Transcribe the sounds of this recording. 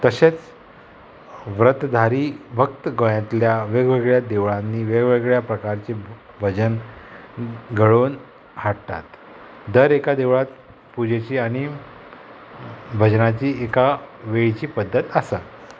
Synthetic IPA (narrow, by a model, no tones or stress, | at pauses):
t̪əɕet͡s | ʋɾət̪d̪ʱaɾiːbʱək̚t̪əɡojãt̪ljaʋeɡʋeɡɭjad̪eʋɭãnːiːʋeɡʋeɡɭjapɾəkaɾt͡se | bʱəd͡ʑən | ɡʱəɭon | haɽt̪a̰t̪ | d̪əɾekad̪eʋɭat̪ | pud͡ʑet͡ɕiːaɽ̃i | bʱəd͡ʑnat͡ɕiːekaʋeɭt͡ɕiːpəd̪ʱːət̪əsa